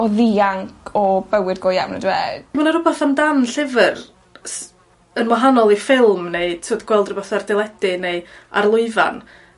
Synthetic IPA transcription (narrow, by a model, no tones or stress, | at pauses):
ɔðiaŋkʰɔbəwɨdɡɔja̰wnə̰dwḛːd̥manaɾʊbaθamdanɬɪvər | s | ənmɔɦanɔlˠifɪlˠmneɨtʰoːdɡ̥wɛlˠdrʊbɔθardɪlˠɛd̥ɪneɨa̰rlˠʊɨva̰n